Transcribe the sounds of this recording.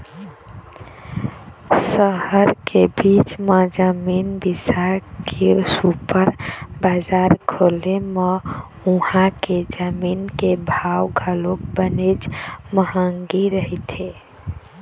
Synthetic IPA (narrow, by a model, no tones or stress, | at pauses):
səɦəɾkebit͡ʃmed͡ʒəminbisakʰesupəɾbad͡ʒaɾkʰoleme | uhãked͡ʒəminkebʱawɡʱəlokbənet͡ʃməɦəŋɡiɾəɦɛt̪ʰe